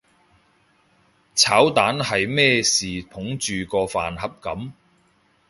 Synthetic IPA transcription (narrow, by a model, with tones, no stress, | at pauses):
t͡sʰaː˨˥wt̪aː˨˥nhɐ˨jmɛː˥siː˨t̪ʰʊ˨˥ŋt͡ʃyː˨kɔː˧fa̰ː˨nɦɐ˨p̚kɐ˨˥m